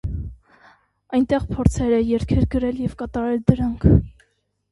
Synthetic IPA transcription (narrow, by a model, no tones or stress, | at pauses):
ɑjnt̪ɛʁpʰɔɾt͡sʰɛɾəjɛɾkʰɛɾɡəɾɛljɛvkɑt̪ɑɾɛld̪əɾɑŋkʰ